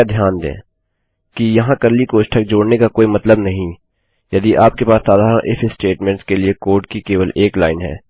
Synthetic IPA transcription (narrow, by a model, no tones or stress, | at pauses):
ad̪ʱjaːnd̪ḛ̃ː | kijɐɦãkɐɾlikoːʃʈʰək̚d͡ʒoːɽnekakoːimɐt̪ləbnɐɦĩ | jɐd̪iʔaːp̚kepaːsːaːd̪ʱaːɾə̃ʔɪfsʈeːʈmɛ̃ːɳʈskeliekoːɾʈ̚kikeːʋəleːklaːɪnɦɛ̰ː